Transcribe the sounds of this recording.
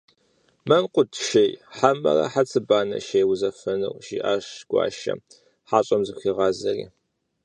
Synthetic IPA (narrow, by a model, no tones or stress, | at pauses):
mɐmqʷʼʊtʰʃejħamɐ̰rɐ̰ħat͡sʰʼɨbaːnɐ̰ʃejwzɐfɐnɨ̰wʷʃiːʔaːʂɡʷɑ̰ːʃɐ̰ | ħaːɕʼɐmzɨxiːʁɑːzɐrḭː